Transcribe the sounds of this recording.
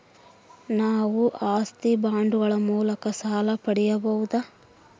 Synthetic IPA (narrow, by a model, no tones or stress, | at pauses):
naːʋuʔaːst̪ibaːɳɖuɡɐɭɐmuːlɐkɐsaːlɐpɐɽɛjɐbɐwud̪ɐ